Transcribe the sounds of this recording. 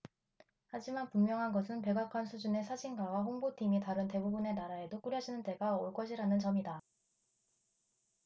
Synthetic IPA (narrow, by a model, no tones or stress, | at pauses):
had͡ʑimanpumjʌŋɦanɡʌsʰɯnpe̞ɡakʰansʰud͡ʑune̞sʰad͡ʑiŋɡawaɦoŋbotʰimitaɾɯnte̞bubune̞naɾae̞dok͈uɾjʌɕʰinɯnt͈e̞ɡaoɭk͈ʌɕʰiɾanɯnt͡ɕʌmida